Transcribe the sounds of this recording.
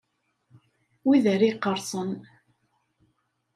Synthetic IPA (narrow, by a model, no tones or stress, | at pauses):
wiðəɾiqːəɾsˤən